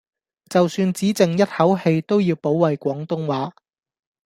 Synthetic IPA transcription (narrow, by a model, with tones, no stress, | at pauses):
t͡sɐ˨wsyː˧nt͡siː˨˥t͡sɪ˨ŋjɐ˥t̚hɐ˨˥whe˧jt̪o˥wjiː˧wpo˨˥wwɐ˨jkʷɔː˨˥ŋt̪ʊ˥ŋwaː˨˥